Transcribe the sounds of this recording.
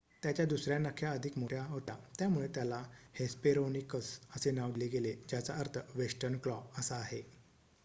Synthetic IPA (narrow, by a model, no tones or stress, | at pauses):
t̪jat͡ɕjad̪usɾjanəkʰːjaəd̪ʱikmoʈjaɦot̪at̪jamuɭet̪jalahespeɾonikəsəsenaʋɽleɡeled͡ʑjat͡saəɾt̪ʰəʋesʈəɾnkɭɔpəsaːɦe